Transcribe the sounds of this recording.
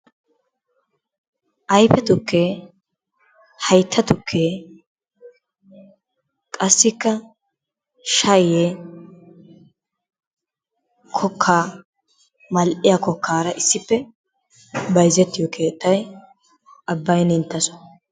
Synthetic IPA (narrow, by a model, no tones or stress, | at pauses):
ʔɐjpɛt̪ʊkːeː | hɐjt̪ʰːɐt̪ʊkʰːeː | kʼɐsːɪkːɐ | ʃɐje | kʰɔkʰːaː | mɐlʔɪjɐkɔkːaːɾɐʔɪsːɪpːɛ | bɐjzɛt̪ːɪjɔkʰe̞ːt̪ːɐj | ʔɐbːɐjnɪnt̪ːɐsɔ̥